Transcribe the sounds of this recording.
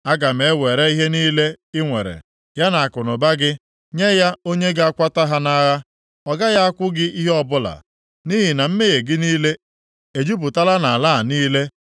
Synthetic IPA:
a˦ɡa˨m̩e˨e˦we˨ɾe˦i˦ɦe˦niː˦le˦ | ɪ˦ŋʷe˨ɾḛ˨ | ja˦na˨a˨kʊ˨nʊ˨ba˦ɡɪ˦ | ɲe˦ja˦o˦ɲe˦ɡa˦kʷa˦ta˦ɦa˦na˦ɣa˦ | ɔ˨ɡa˦ja˦a˦kʷʊ˦ɡɪ˦i˦ɦe˦ɔ˦bʊ˦la̰˨ | ni˦ɦɪ˨na˨m̩˦me˦ɣe˨ɡɪ˦niː˦le˦ | e˨d͡ʒu˦bʊ˨ta˦la˦na˨a˨laː˦˨niː˦le˦

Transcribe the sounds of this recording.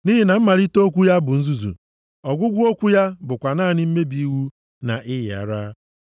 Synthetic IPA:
ni˦ɦi˨na˨m̩˦ma˨ɾi˦to˦kʷu˦ja˦bʊ˨n̩˦zu˦zṵ˨ | ɔ˨ɡʷʊ˦ɡʷʊ˦o˦kʷu˦ja˦bʊ˨kʷa˨naː˦˨nɪ˦m̩˦me˦bi˦i˦wu˦ | na̰˨ʔɪ˦jɪ˨a̰˨ɾa˦

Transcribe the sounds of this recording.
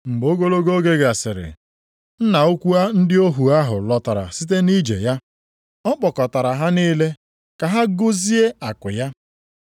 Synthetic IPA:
ŋ͡m̩˨ɡ͡bo˦ɡo˦lo˦ɡo˦ɡe˦ɡa˨sɪ˨ɾɪ̰˨ | n̩˦na˨o˦kʷu˦a˦n̩˦dɪ˦o˦ɦu˨a˦ɦʊ˨lɔ˨ta˨ɾa̰˨sɪ˦t̬e˦ni˦d͡ʒḛ˨ja˦ | ɔ˦k͡pɔ˨kɔ˨ta˨ɾa˨ɦa˦niː˦le˦ | ka˨ɦa˦ɡʊ˦zi˦e˦a˨kʊ˨ja˦

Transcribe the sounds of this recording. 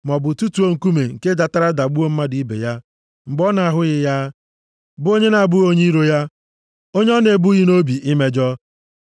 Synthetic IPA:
m˨ɔ˨bʊ˨tu˦tu˨o˦ŋ̩˨ku˦me˨ŋ̩˨ke˦da˨ta˦ɾa˦da˨ɡ͡bu˦o˦m̩˦ma˦di˨i˦bḛ˨ja˦ | m̩˨ɡ͡bɔ˦na˨a˨ɦʊ˦ɣɪ˨ja˦ | bʊ˦o˦ɲe˦na˨a˨bʊ˦o˦ɲe˦i˦ɾo˦ja˦ | o˦ɲ˦ɔ˦ne˨bu˦ɣi˦no˦bi˨ʔi˦me˦d͡ʒɔ˦

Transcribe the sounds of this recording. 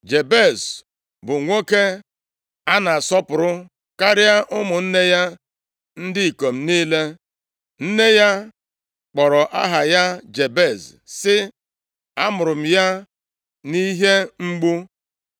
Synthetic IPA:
d͡ʒe˨be˦˨z | bʊ˨ŋʷo˦ke˦ | a˦na˨sɔ˦pʊ˨ɾʊ˦ | ka˦ɾɪ˦a˦ʔʊ˦mʊ˨n̩˦ne˦ja˦ | n̩˦dɪ˦i˨ko˨m̩˦ni˦le˦ | n̩˦ne˦ja˦ | k͡pɔ˨ɾɔ˨ʔa̰˦ɦa˨ja˦d͡ʒe˨be˦˨z | sɪ˦ | a˦mʊ˨ɾʊ˨m̩˨ja˦ | ni˦ɦe˦ŋ͡m̩˦ɡ͡bu˦

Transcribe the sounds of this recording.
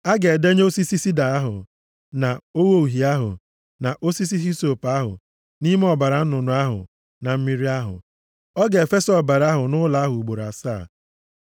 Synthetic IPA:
a˦ɡe˨de˦ɲ˦o˦si˦si˦si˦da˨a˦ɦʊ̰˨ | na˨o˦wo˦u˨ɦi˨a˦ɦʊ̰˨ | na˨ʔo˦si˦s̬i˦ɦi˦so˨pa˦ɦʊ̰˨ | ni˦me˦ɔ˨ba˨ɾa˨n̩˦nʊ˨nʊ˨a˦ɦʊ̰˨ | na˨m̩˦mi˦ɾi˦a˦ɦʊ̰˨ | ɔ˦ɡe˨e˨fe˦sɔ˨ba˨ɾa˦ɦʊ˨nʊ˦la˨a˦ɦʊ˨u˨ɡ͡bo˨ɾa̰˨sa˦˨

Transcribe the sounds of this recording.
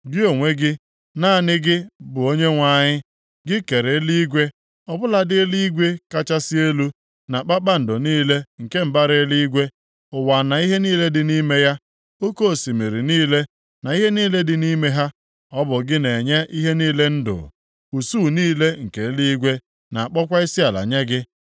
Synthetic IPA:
ɡɪ˦o˨ŋʷe˦ɡɪ˦ | naː˦˨nɪ˦ɡɪ˦bʊ˨o˦ɲe˦ŋʷa˨ɲɪ˦ | ɡɪ˦ke˨ɾe˨˦li˦ɡʷe˦ | ɔ˨bʊ˦la˨dɪ˦li˦ɡʷe˦ka˦t͡ʃa˦si˦e˦lu˦ | na˨k͡pa˦k͡pa˦n̩˨dʊ˨niː˦le˦ŋ̩˨ke˦m̩˦ba˦ɾɪ˨˦li˦ɡʷe˦ | ʊ˨wa˨na˨i˦ɦe˦niː˦le˦dɪ˨ni˦me˦ja˦ | o˦ko˦o˨si˨me˨ɾi˨niː˦le˦ | na˨i˦ɦe˦niː˦le˦dɪ˨ni˦me˦ɦa˦ | ɔ˦bʊ˨ɡɪ˦ne˨ɲe˦ʔi˦ɦe˦niː˦le˦n̩˦dʊ̰˨ | u˨suː˦˨niː˦le˦ŋ̩˨ke˨˦li˦ɡʷe˦ | na˨a˨k͡pɔ˦kʷa˦i˦sɪ˦a˨la̰˨ɲe˦ɡɪ˦

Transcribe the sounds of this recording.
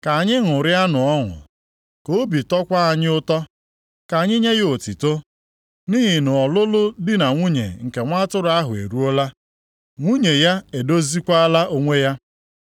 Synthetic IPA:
ka˨a˨ɲɪ˦ŋʊ˨ɾɪ˦a˦nʊ˨ɔ˦ŋʊ̰˨ | ko˦bi˨tɔ˦kʷa˦a˨ɲɪ˦ʊ˦tɔ˦ | ka˨ɲɪ˦ɲe˦ɣɪ˦o˨ti˨to˦ | ni˦ɦɪ˨nʊ˨ɔ˨lʊ˦lʊ˦dɪ˦na˨ŋʷu˦ɲḛ˨ŋ̩˨ke˨ŋʷa˦tʊ˦ɾʊ˨˦a˦ɦʊ˨ḛ˨ɾu˦o˦la˦ | ŋʷu˦ɲe˨ja˦e˨do˦zi˦kʷa˦a˦la˦ʔo˦ŋʷe˦ja˦

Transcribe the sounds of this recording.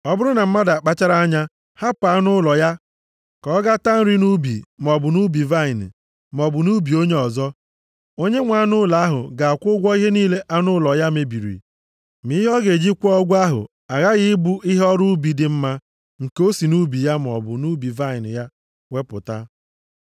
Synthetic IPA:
ɔ˦bʊ˦ɾʊ˦na˨m̩˦ma˦da˨k͡pa˦t͡ʃa˦ɾa˦ɲa˦ | ha˦pa˨˦nʊ˦lɔ˨ja˦ | kɔ˨˦ɡa˦ta˦n̩˦ɾi˦nu˦bḭ˨m˨ɔ˨bʊ˨nu˦bi˨va˦ɪ˨nɪ̰˨ | m˨ɔ˨bʊ˨nu˦bi˨o˦ɲe˦ɔ˨zɔ˦ | o˦ɲe˦ŋʷa˨˦nʊ˦la˨˦ɦʊ̰˨ɡa˨a˨kʷʊ˦ɡʷɔ˦i˦ɦe˦niː˦le˦ʔa˦nʊ˦lɔ˨ja˦me˨bi˨ɾḭ˨ | mi˦ɦɔ˦ɡe˨d͡ʒi˦kʷɔ˦ɡʷa˦ɦʊ̰˨ | a˨ɣa˦ɣɪ˦bu˦ʔi˦ɦe˦ɔ˦ɾu˦bi˨dɪ˨m̩˦ma˦ | ŋ̩˨ko˦si˨nu˦bi˨ja˦m˨ɔ̰˨bʊ̰˨nu˦bi˨va˦ɪ˨nɪ̰˨ja˦ | wʷe˦pʊ̰˨ta̰˦

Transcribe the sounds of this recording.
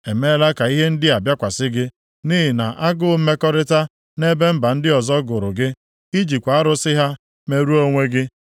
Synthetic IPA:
e˨me˦la˦ka˨i˦ɦe˦n̩˦dɪ˦a˨bja˦kʷa˨sɪ˦ɡɪ˦ | ni˦ɦɪ˨na˨ʔa˦ɡʊ˦m̩˦me˦kɔ˦ɾɪ˦ta˦ | ne˦be˦m̩˦ba˨n̩˦dɪ˦ɔ˨zɔ˦ɡʊ˨ɾʊ˨ɡɪ˦ | i˦d͡ʒi˨kʷa˨a˦ɾʊ˦sɪ˦ɦa˦ | me˦ɾu˦o˦ŋʷe˦ɡɪ˦

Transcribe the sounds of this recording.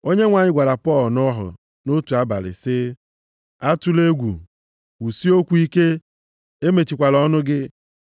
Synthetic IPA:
o˦ɲe˦ŋʷa˨ɲɪ˦ɡʷa˨ɾa˨pɔ˦˨lnɔ˦ɦʊ̰˨ | no˦tu˨a˦ba̰˨lɪ̰˨sɪ˦ | a˦tu˦le˦ɡʷṵ˨ | u˨si˦o˦kʷu˦i˦ke˦ | e˦me˨t͡ʃi˨kʷa˨lɔ˦nʊ˦ɡɪ˦

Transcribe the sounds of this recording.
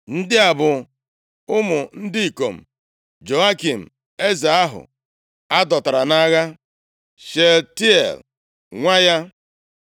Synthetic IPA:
n̩˦dɪ˦a˨bʊ˨ | ʊ˦mʊ˨n̩˦di˦i˨ko̰˨m̩˨ | d͡ʒo˨a˦ki˨m̩˨ | e˦za˨a˦ɦʊ̰˨ | a˦dɔ˨ta˨ɾa˨na˦ɣa˦ | ʃe˨lti˦ḛ˨l | ŋʷa˦ja˦

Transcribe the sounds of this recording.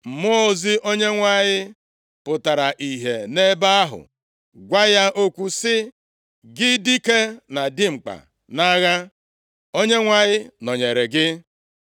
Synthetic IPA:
m̩˨mo˦˨zi˦ʔo˦ɲe˦ŋʷa˦ɲɪ˦ | pʊ˨ta˨ɾa˨ʔi˨ɦe˨ne˦ba˦a˦ɦʊ̰˨ | ɡʷa˦ja˦ʔo˦kʷu˦sɪ˦ | ɡɪ˦di˦ke˦na˨dɪ˦ŋ͡m̩˨k͡pa̰˨ | na˦ɣa˦ | o˦ɲe˦ŋʷa˦ɲɪ˦nɔ˨ɲe˨ɾe˨ɡɪ˦

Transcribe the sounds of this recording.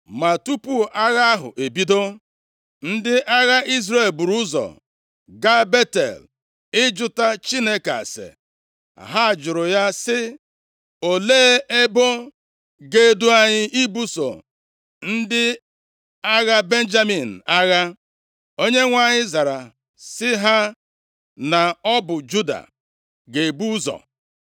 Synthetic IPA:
ma˨tu˦pu˦˨ʔa˦ɣa˦ɦʊ̰˨ʔe˨bi˦do˦ | n̩˦dɪ˦ʔa˦ɣa˦ʔi˦zɾe˨lbu˨ɾu˦zɔ̰˨ | ɡa˦be˦tḛ˨l | ɪ˦d͡ʒʊ˦ta˦t͡ʃi˦ne˦ka̰˨sḛ˨ | a̰˨ɦa˦a˨d͡ʒʊ˨ɾʊ˨ja˦sɪ˦ | o˨leː˦e˦bo˦ | ɡe˦du˦a˦ɲɪ˦ʔi˦bu˦so̰˨ | n̩˦dɪ˦ | a˦ɣa˦be˦n̩˦d͡ʒa˦mi˨n̩˨a˦ɣa˦ | o˦ɲe˦ŋʷa˨ɲɪ˦za˨ɾa˨ | sɪ˦ɦa˦ | na˨ɔ˦bʊ˨d͡ʒu˦da̰˨ | ɡe˨bu˦zɔ̰˨

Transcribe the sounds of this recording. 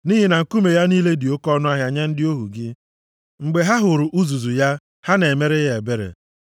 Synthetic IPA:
niː˦ɦi˨na˨ŋ̩˨ku˦me˨ja˦niː˦le˦dɪ˨o˦kɔ˦nʊ˦a˦ɦja˨ɲe˦n̩˦dɪ˦o˦ɦṵ˨ɡɪ˦ | ŋ͡m̩˨ɡ͡be˨ɦa˦ɦʊ˨ɾʊ˨ʔu˦zu˨zu˨ja˦ | ha˦ne˨e˨me˦ɾe˦ɦe˨be˦ɾḛ˨

